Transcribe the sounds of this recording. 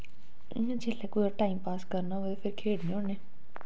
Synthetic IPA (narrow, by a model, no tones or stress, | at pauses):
d͡ʒeleːkoːaʈaːimpaːskəɾnaʋepʰɪɾkʰeːɽnẽoːneː